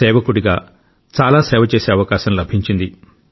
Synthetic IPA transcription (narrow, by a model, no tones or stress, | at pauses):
ɛːʋɐkuɽiɡa̰ː | t͡ʃaːlaːsɛːʋɐt͡ʃeːseːɐʋɐkaːʃɐmlɐbʱiɲt͡ʃind̪i